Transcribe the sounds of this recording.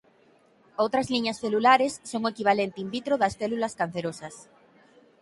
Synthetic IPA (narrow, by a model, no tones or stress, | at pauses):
owt̪ɾazliɲasθelulaɾesːoŋoekiβ̞alent̪imbit̪ɾoðasθelulaskan̟θeɾosɐs